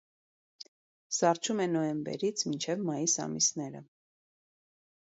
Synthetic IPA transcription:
sɑrt͡ʃʰumɛnɔjɛmbɛ̰ɾit͡sʰmint͡ʃʰɛvmɑjisɑ̰misnɛɾə̰

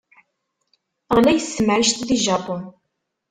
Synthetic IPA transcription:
ʁlæjəsːəmʕiʃt̪ðiʒɑpʊn

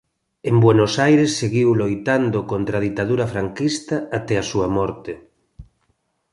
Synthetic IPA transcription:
embwenosajɾesːeɣiwlojt̪and̪okont̪ɾað̞it̪aðuɾɐfɾaŋkist̪ɐat̪ɛasuɐmɔɾt̪e

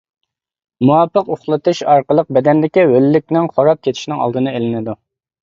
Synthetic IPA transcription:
muwɑpːəqoχlˠɨt̪ʰɨʃɑɾqəlˠəq̚bɛd̪ɛnd̪ɪkʲiwølːɪk̚ʲnɪŋχoɾɑp̚kʲʰet̪ʰɪ̥ʃnɪŋɑ̰lˠd̪ɨnɨelɪnɪd̪u

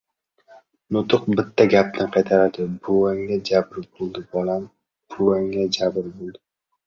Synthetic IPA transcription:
nʊt̪ʰʊqbɪt̪ʰːaɡʲap̚nɪqʰɑjt̪ʰaɾad̪ɪbʊwaŋːad͡ʒabɾɪbolˠd̪ɪbɒlam | b̥ʊwaŋad͡ʒabɾbolˠd̪ɪ

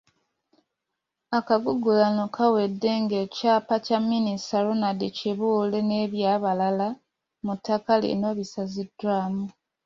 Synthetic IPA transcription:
akaɡuɡulanokʰawe̞dːe̞ŋɡe̞ːcaːpacamːinistaɾonadiciβuːle̞neːβjaːβalala | mutːakalḭno̞ːβisazidwaːmu

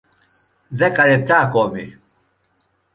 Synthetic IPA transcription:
ðɛkʼalɛb̚t̪akɔmi

